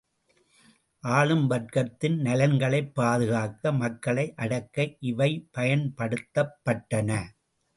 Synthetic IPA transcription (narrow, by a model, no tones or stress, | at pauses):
ʔaːɭɯmbɐʈ̚kɐt̪ːɪnnɐlɐnɡɐɭɐɪpːaːðɯɣaːkɐmɐkːɐɭɐɪʔɐɽɐkːɐɪʔɪʋɐɪpɐjɐnpɐɽɯt̪ːɐpːɐʈːɐnɐ